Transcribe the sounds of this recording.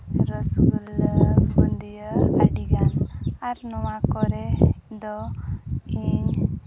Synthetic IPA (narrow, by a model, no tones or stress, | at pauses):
ɾɔskulmɔ̰nd̪ijɔa̰ɖiɡanaɾnɔwakɔɾed̪ɔ | iɲ